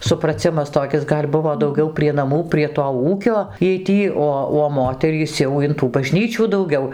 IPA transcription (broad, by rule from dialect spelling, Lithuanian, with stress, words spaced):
sʊprɐˈt͡sʲɪmɐs toːˈkʲɪs ˈɡɐlʲ ˈbʊʋoː dɐʊˈɡʲɛʊ pʲrʲiɛ nɐˈmuː pʲrʲiɛ toː ˈuːkʲoː ˈjiɛj ˈtʲiː ˈoː oː ˈmoːtʲɛrʲiːs jɛʊ ɪn tuː bɐˈʒʲnʲiːt͡ʃʲuː dɐʊˈɡʲɛʊ